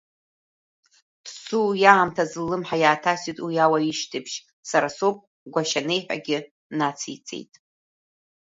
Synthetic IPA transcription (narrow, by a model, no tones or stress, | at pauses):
d̥sujaːmtʰazɨlːɨmħajaːtʰasitʼwijawaiʃtʰɨbʃ | saɾasopʼ | ɡʷaʃanejħᶣa̰ɡʲɪ | nat͡sʰijt͡sʼḛjtʼ